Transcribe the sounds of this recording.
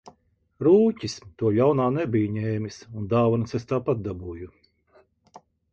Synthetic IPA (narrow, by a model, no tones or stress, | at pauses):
ɾuːcʲist̪uɔʎʲawnaːnɛbijuɲɛːmʲisund̪aːvanusɛst̪aːpat̪̚d̪abuːju